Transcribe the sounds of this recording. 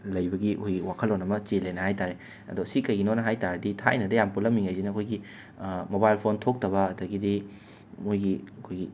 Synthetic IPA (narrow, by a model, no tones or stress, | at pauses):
lɐjbɐɡiojɡiwakʰɐlonɐmɐt͡ʃelenɐhajtaɾe | ɐ̰dosikɐjɡinonɐɦajtaɾɐditʰa̰jnɐdɐjampulɐmːiŋajzinɐkʰojɡi | mobajlpʰontʰok̚tɐbɐːdɐɡidi | mojɡiɐkʰojɡi